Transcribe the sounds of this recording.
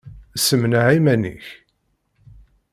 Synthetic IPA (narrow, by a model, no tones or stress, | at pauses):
səmnaʕimænḭç